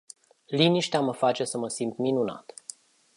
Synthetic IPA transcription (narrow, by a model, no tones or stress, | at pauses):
liniʃt̪eaməfat͡ʃe̞səməsimt̪minuna̰t̪